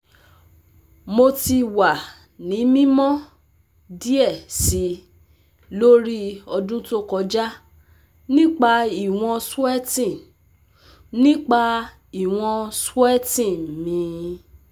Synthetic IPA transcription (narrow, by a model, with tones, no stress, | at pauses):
mo˧ti˧wa˨ | nĩ˨˦mĩ˦mɔ̃˦ | di˦ɛ˦˨si˨˦ | lo˦ɾi˦ɔ˧dũ˦to˦kɔ˨˧d͡ʒa˦ | nĩ˦k͡pa˧i˦˨w̃ɔ̃˧su˦ɛ˦tĩ˦˨ | nĩ˦k͡pa˧ | i˦˨w̃ɔ̃˧su˦ɛ˦tĩ˦˨mĩ˨˦